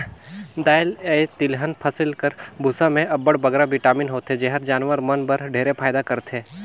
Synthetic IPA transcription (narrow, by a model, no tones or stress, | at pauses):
d̪aːjɪlet̪ɪlɦənpʰɐsɪlkəɾbʱʊsamẽɐbəɽbɐɡɾabɪʈaːminɦoːt̪ɦed͡ʒeɦəɾd͡ʒaːnʋəɾmɐnbəɾɖʱeːɾepʰaːjd̪akɐɾt̪ɦeː